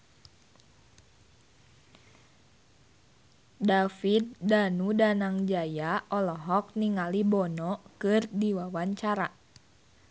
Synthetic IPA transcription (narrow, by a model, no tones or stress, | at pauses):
dafit̪̚danudanaŋd͡ʒajaɔlɔɦɔk̚niŋalibɔnɔkɨrdiwawaɲt͡ʃaɾa